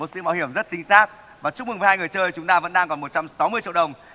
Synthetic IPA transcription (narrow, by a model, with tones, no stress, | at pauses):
mo˨˩t̚sɨ̰˧˥˦maː˨˧whi˧˩əmzə˦˥t̚t͡ɕï˨˧ŋ̟saː˦˥k̚ | vaː˨˩t͡ɕʊ˦˥mɨ˨˩ŋvə˨˦haː˧jŋɨ˨˩əjt͡ɕəː˧jt͡ɕʊ˨˦ŋ͡mt̪aː˧və̰˧˥nɗaː˧ŋkɔ˨˩nmo˨˩t̚t͡ɕa˧msa˨˦wmɨ˧ət͡ɕḭ˧əɗə˨˩wŋ͡m